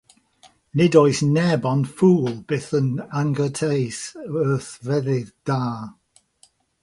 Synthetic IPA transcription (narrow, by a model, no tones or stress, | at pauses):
nɪdoɨsnɛbɔnfuːlˠb̥eθənaŋɡətʰejsəθvɛðɪðd̥aː